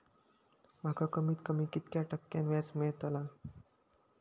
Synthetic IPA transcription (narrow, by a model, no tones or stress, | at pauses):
m̤akʰakəmiːt̪kəmiːkit̪kjaʈəkːjanʋjat͡smet̪əla